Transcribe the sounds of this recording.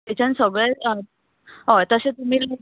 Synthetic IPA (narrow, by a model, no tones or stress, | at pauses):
it͡ɕansəɡɭəj | ɦot̪əset̪um̤iːl